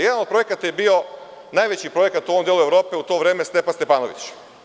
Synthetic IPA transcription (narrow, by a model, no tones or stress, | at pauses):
jed̪anod̪̚pɾo̞jekat̪ajebio̞ | naːjʋet͡ɕipɾo̞jekat̪uoomd̪elue̞ʋɾo̞ːpe̞ut̪o̞ːʋɾe̞ːmest̪epanst̪e̞paːnoʋḭt͡ɕ